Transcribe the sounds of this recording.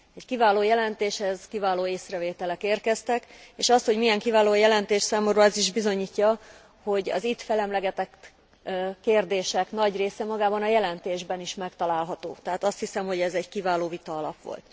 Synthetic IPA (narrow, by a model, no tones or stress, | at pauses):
ɛckivaːloːjɛlɛnt̪eːʃhɛzkivaːloːeːsrɛveːt̪ɛlɛkeːrkɛst̪ɛkeːʃɒst̪ho̞ɟmijɛŋkivaːloːjɛlɛnt̪eːʃsaːmomrɒɛziʒbizo̞ɲiːcːɒ | ho̞ɟɒ̰zit̪fɛlɛmlɛɡɛt̪ɛk | kːeːrd̪eːʃɛknɒɟreːsɛmɒɡaːbɒnɒjɛlɛnt̪eːʒbɛniʃmɛkt̪ɒlaːlɦɒt̪o̰ːt̪ɛɦaːt̪ɒst̪hisɛmho̞ɟɛzɛɟkivaːloːvit̪ɒɒlɒ̰pʋo̰lt̪